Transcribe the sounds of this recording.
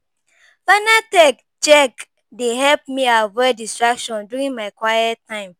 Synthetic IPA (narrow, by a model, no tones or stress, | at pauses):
fanatɛk | d͡ʒɛk | dehɛlp̚miawɛdistɹakʃɔ̃nduɹĩŋmaɪkwajɛttʰːãɪ̃m